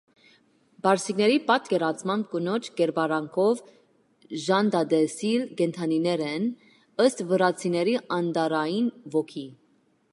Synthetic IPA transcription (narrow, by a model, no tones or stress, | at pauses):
bɑɾsiknɛɾipɑt̪kɛɾɑt͡sʰmɑmb̚kənɔt͡ʃʰɡɛɾbɑɾɑŋkʰɔv | ʒɑnd̪ɑd̪ɛsilkɛnt̪ʰɑninɛɾɛn | əst̪vəɾɑt͡sʰinɛɾiɑnd̪ɑɾɑjinvɔkʰi